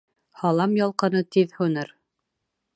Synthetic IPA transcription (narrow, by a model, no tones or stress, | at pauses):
hɑlˠɑmjɑlˠqɤ̆nɤt̪iðhunɤɾ